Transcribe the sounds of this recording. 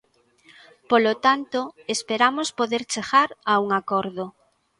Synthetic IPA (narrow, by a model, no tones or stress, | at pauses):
polot̪ant̪oespeɾamospoðeɾt͡ʃeɣaɾauŋakɔɾðo